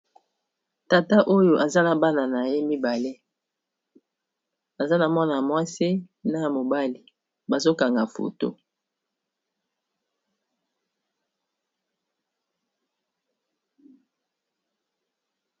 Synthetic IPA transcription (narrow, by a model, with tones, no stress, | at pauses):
ta˨ta˦ʔo˦jo˨ʔa˨za˦na˦ba˦na˨na˨je˦mi˦ba˨le˦ | a˨za˦na˨mwa˦na˨mwa˦se˦ | na˦˨mo˨ba˦li˨ | ba˨zo˦ka˨ŋɡa˨fo̰˨to̰˦